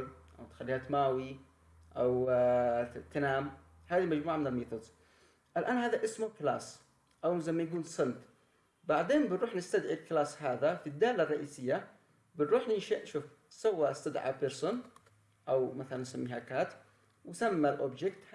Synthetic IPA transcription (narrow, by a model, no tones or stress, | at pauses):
ɾʔawt̪xalːiːhat̪maːwi | ʔaw | t̪anaːm | haːðimad͡ʒmuːʕamɪnɪlmiːt̪ʊdz | ʔalʔaːnhaːðaʔɪsmʊklaːsˤ | ʔawzajmːajɡuːlsˤɨnt̪ | baʕd̪eːnbɪnɾuːħnɪst̪ad̪ʕilklaːsˤhaːðafid̪ːaːlarˤːɑʔiːsɪjːa | bɪnɾuːħnɪnʃaʔʃuːf | sawːaʔast̪ad̪ʕa̰bɪɾsˤʊn | ʔawmaθalanʔsamːiːɦakaːt̪ | wsamːalʔʊbd͡ʒɪkt̪